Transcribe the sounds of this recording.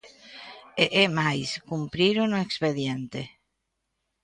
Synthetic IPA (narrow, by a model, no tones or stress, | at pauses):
eʔemajskumpɾiɾonoekspeðjent̪e